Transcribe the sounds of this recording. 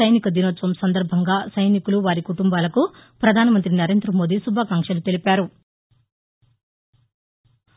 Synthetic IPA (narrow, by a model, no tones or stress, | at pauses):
ɐjnikɐd̪inɐt̪ːɐmsɐnd̪ɐɾbʱɐŋɡaːsɐjnikuluʋaːɾikuʈumbaːlɐkupɾɐd̪ʱaːnɐmɐnt̪ɾinɐɾe̞ːnd̪ɾɐmo̞ːd̪isubʱaːkaŋkʂɐlut̪e̞lipaːɾu